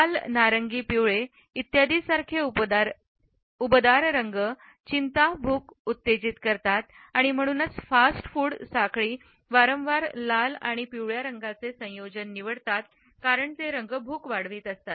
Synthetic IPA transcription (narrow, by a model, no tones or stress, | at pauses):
alnaɾəŋɡiːpiɭe | it̪jad̪iːsaɾkʰeu | ubd̪aɾɾəŋɡə | t͡ɕint̪abʱuːkut̪ːed͡ʑiːt̪kəɾt̪at̪ | aɽ̃im̤əɽ̃uːnət͡sfasʈfuːɽsakɭiː | ʋaɾə̃mʋaɾlala̰ɽ̃ipiwɭjaɾəŋɡat͡sesə̃jod͡ʑənːiʋəɽt̪at̪ | kaɾəɳt̪eɾəŋɡəbʱuːkʋaɽʋiːt̪əst̪at̪